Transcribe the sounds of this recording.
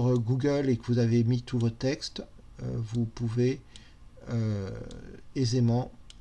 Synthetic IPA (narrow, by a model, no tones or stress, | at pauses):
ʁɡuɡʲœlekəvuzavemit̪uvot̪ɛkst̪ | ø̰vupuve | ø | ezemɑ̃